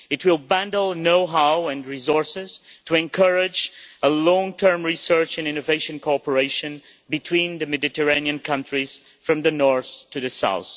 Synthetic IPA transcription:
ɨtwɪlˠbæ̃ndl̩ˠnoʊɦaʊɨ̃nɹizɔɹsɪz̥tʰəɨ̃nkʰʌɹɪd͡ʒəlɔ̃ŋtʰɜ̃˞mɹisɜ˞t͡ʃɨ̃nɪ̃noveɪʃɨ̃nkʰoɔpə˞eɪʃɨ̃n | bɨtʰwĩnðɨmɛdɨtəɹẽniɨ̃nkʰʌ̃ntʰɹiz̥ | fɹʌ̃mðɨnɔɹθtʰɨðɨsa̰ʊθ

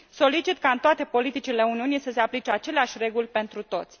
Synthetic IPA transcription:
so̞lit͡ʃit̪kaɨnt̪oat̪e̞po̞lit̪it͡ʃile̞uniunisəse̞aplit͡ʃeat͡ʃe̞leaʃʲre̞ɡulʲpe̞nt̪ɾut̪o̞̰t̪sʲ

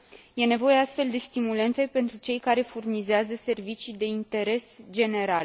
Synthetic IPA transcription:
je̞ne̞vo̞je̞ast̪fe̞ld̪e̞st̪imule̞nt̪e̞pe̞nt̪ɾut͡ʃe̞jkaɾe̞furnizeazəse̞rvit͡ʃid̪e̞int̪e̞ɾe̞sd͡ʒe̞ne̞ɾale

